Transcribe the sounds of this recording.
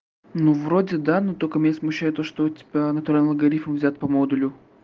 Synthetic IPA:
nuvɾodʲɪd̪anot̪okəmnʲesmʊɕːæjʊt̪oʂt̪otʲɪ̥bʲanət̪ʊɾalʲnʲlˠɡɐɾʲifmvzʲat̪̚pɐmod̪ʊlʲʊ

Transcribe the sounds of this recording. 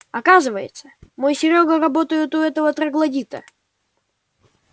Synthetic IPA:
ɐkazɨvəjɪ̰t̪səmojsʲɪɾʲoɡəɾɐbo̞t̪əjʊt̪ʊɛt̪əvət̪ɾəɡlˠɐdʲit̪ə̰

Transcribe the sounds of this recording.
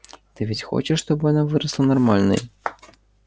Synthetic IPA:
t̪ɨvʲit͡sʲxɔ̰t͡ʃɛʂst̪ɔbɨjanavɨɾɐslˠɐnarmalʲnɐ̰j

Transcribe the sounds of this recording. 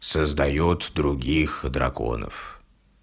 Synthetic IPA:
səzd̪ɐjot̪d̪ɾʊɡʲixd̪ɾɐ̰ko̰nə̰f

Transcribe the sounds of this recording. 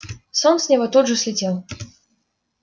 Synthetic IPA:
sɔnsʲnʲɛvɔt̪ud̪ʐɨsʲlʲɪdʲɛlˠ

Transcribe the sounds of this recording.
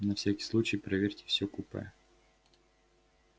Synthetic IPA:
nɐfsʲakʲi̥slˠut͡ɕɪjpɾɐvʲeɾʲtʲɪ̥fsʲɔkupə̰jɛ

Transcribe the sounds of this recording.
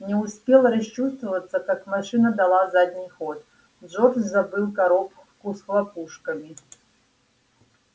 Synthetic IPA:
nʲɛuspʲelˠɾɐɕt͡ʃust̪vɐvɐt̪sːɐkakmaʂɨnɐd̪ɐlˠazad̪ʲnʲijxɔt̪ | d͡ʑɔrzabɨlˠkaɾop | kusxlˠapuʂkɐmʲi

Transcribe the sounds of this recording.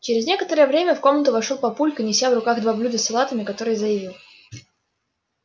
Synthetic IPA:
t͡ɕɪɾʲɪznʲe̞kət̪əɾəjəvɾʲemʲəfko̞mnət̪ʊvɐʂolˠpɐpulʲkɨnʲɪsʲavrʊkaɣd̪vɐblʲud̪əsɪlˠat̪əmʲɪkɐt̪o̞ɾɨjzəjɪvʲilˠ

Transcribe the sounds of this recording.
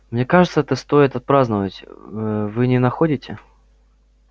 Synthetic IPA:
mnʲekaʐɨt̪səɛt̪əst̪o̞jɪt̪ɐt̪̚pɾaznəvətʲvɨnʲɪnɐxodʲɪtʲɪ

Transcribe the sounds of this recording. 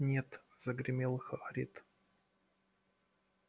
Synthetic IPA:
nʲet̪z̥əɡɾʲɪmʲelˠxɐɐɾʲḭt̪

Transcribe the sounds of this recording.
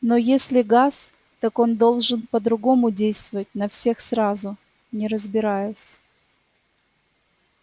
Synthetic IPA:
nojesʲlʲɪɡas | t̪ako̞nd̪o̞lˠʐɨnpəd̪ɾʊɡo̞mʊdʲejst̪vəvət̚ʲnɐfsʲe̞xsɾazʊ | nʲɪɾəzbʲɪɾajʊsʲ

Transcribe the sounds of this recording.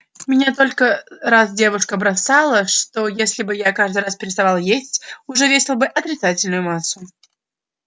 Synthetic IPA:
mʲɪnʲat̪o̞lʲkəɾasdʲe̞vʊʂkəbɾɐsalˠəʂt̪o̞jesʲlʲɪbɨjakaʐd̪ɨjraspʲɪɾʲɪst̪ɐvalˠjesʲtʲʊʐɛvʲesʲɪlˠəbɨʔɐt̪ɾʲɪt̪satʲɪlʲnʊjʊmasːʊ

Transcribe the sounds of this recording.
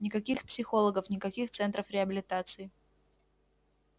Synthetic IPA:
nʲɪkɐkʲixpsʲɪxo̞lˠəɡəfnʲɪkɐkʲixt̪sɛnt̪ɾəfɾʲɪɐbʲɪlʲɪt̪at̪sɨɪ

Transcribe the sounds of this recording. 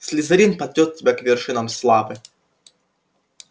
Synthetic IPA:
sʲlʲɪzɐɾʲinpɐd̪ʲot̪̚ʲtʲːɪbʲekvʲɪrʂɨnɐmslˠavɨ

